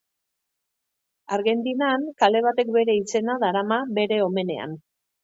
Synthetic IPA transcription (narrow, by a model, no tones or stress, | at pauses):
aɾɣe̞nt̪inankale̞β̞at̪e̞kbe̞ɾe̞ise̞naðaɾamaβe̞ɾe̞o̞me̞ne̞̰a̰n